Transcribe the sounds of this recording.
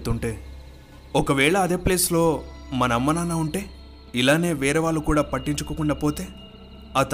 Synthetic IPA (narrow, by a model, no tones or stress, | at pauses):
t̪uɳʈe̞ː | ɔkɐʋɛːɭɐːd̪e̞ːple̞ːslo̞ːmɐnɐɐmːɐnaːnaːuɳʈe̞ː | ilaːne̞ːʋɛːɾɐʋaːɭːukuːɽaːpɐʈːiɲt͡ʃukukuɳɖɐpo̞ːt̪e̞ː | aːt̪